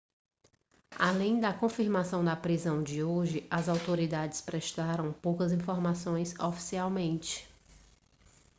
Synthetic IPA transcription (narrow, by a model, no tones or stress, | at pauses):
a̰lẽj̃d̪ɐkõfiɾmasɐ̃w̃d̪ɐpɾizɐ̃w̃d͡ʒɪoʒɪʔɐzawt̪oɾid̪ad͡ʒɪ̥spɾɛʃt̪aɾɐ̃w̃powkɐzĩfoɾmasõj̃sofi̥siawmẽnt͡ʃɪ̥